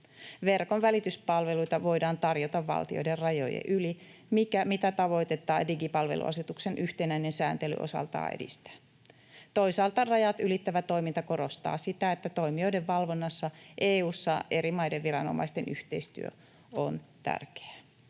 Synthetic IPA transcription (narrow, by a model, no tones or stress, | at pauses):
ʋe̞rko̞nʋælit̪yspɑlʋe̞lujt̪ɑʋo̞jdɑːnt̪ɑrjot̪ɑʋʋɑ̰lt̪io̞̰jde̞rrɑjo̰jḛʔyli | mikæmit̪æt̪ɑʋo̞jt̪e̞t̪ːɑːdiɡipɑlʋe̞̰lṵɑ̰set̪ukse̞nʔyht̪enæine̞nsæːnt̪e̞ly̰ʔo̞̰sɑ̰lt̪ɑ̰ːḛdḭst̪æ̥ː | t̪o̞jsɑːlt̪ɑrɑjɑt̪ylit̪ːæʋæt̪o̞imint̪ɑko̞ɾo̞st̪ɑ̰ːsit̪æet̪ːæt̪o̞jmio̞jde̞ʋːɑlʋo̞nːɑsːɑʔeːuːsːɑʔe̞ɾimɑjdeʋʋiɾɑno̞̰mɑ̰jst̪e̞nʔyht̪e̞jst̪y̰ø̰ | ont̪æ̰rke̥æ